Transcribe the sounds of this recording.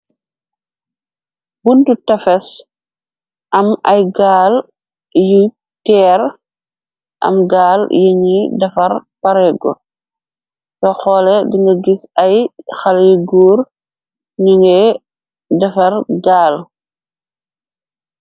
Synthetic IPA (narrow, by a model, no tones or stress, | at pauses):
buntutɐfɛs | ʔamajɡaːl | ju | tɛːɾ | ʔa̰mɡaːljeŋidɐfaɾpaɾɛɡɔ̰ | tɔxɔːlɛdiŋɡaɡisajxaliɡuːɾ | ɲuŋɡɛ | dɛfaɾɡaːl